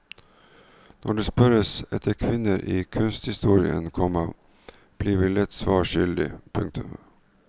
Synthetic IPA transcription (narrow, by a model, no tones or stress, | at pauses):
nʔɔɖeːspœɾəsɛ̰t̪ʰəkʰʋɪnəɾʔiːkʰʉnst̪hɪst̪uːɾɪə̰nkʰɔmə | b̥liːʋilɪt̪sʋɑːʃʏld̪ɪ̰pʰʉŋk̚t̪ʰʉm